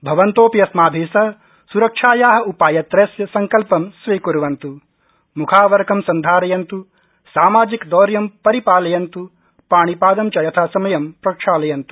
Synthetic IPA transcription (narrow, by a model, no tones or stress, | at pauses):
bʱɐʋɐnt̪oːpijɐsmaːbʱiːsɐ | suɾɐkʂaːjaːɦɐ̆upaːjɐt̪ɾeːsjɐsɐŋkɐlpɐmsʋiːkuɾuʋɐnt̪u | mukʰaːʋɐɾkɐmsɐnd̪ʱaːɾɐjɐnt̪u | saːmaːd͡ʒikd̪ɔːɾjɐmpɐɾipaːlɐjɐnt̪u | paːɳ̃ipaːd̪ɐmt͡ʃɐjɐt̪ʰaːsɐmɐjɐmpɾɐkʂaːlɐjɐnt̪u̥